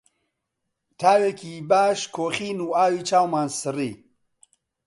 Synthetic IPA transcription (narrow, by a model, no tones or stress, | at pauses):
t̪ʰaːwekʰiːbaːʃkʰoːχiːnuːaːwiːt͡ʃʰaːwmaːnsɨriː